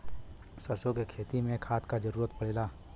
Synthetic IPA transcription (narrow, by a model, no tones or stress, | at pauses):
sɐsokekʰeːt̪imẽkʰaːt̪kad͡ʒəɾuːɾət̪pɐɽeːlaː